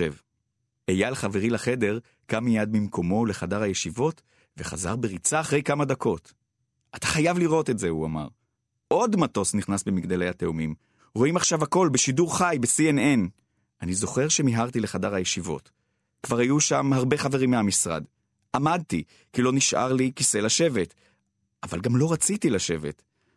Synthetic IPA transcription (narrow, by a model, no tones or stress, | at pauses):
ev | ejalχave̞ʁilaχe̞de̞ʁ | kamːijad̪̚mimkʰo̞mo̞le̞χadaʁajeʃivo̞t | veχa̰za̰ʁbeʁit͡saːχʁe̞jkamadakʰo̞t | ʔatḁχajavliʁo̞te̞tze̞uama̰ʁ | ʔo̞dmato̞sniχnasbemiɡd̪alejhateumim | ʁo̞imaχʃavako̞lbeʃiduʁχajbesienen | ʔanizo̞χe̞ʁʃe̞miɦaʁt̪̬ileχadaʁhajeʃivo̞̰t | kvaʁhajuʃamhaʁbe̞χaveʁimːeamisʁa̰d | amad̚ti | kilo̞niʃʔa̰ʁlikise̞laʃe̞ve̞t | ʔava̰lɡamlo̞ʁat͡sitilaʃe̞ve̞t